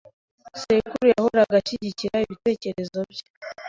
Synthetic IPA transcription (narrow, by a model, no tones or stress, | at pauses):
sekuɾujahoɾaɡaʃiɟiciɾaiβite̞ːce̞ɾe̞zo̞bje̥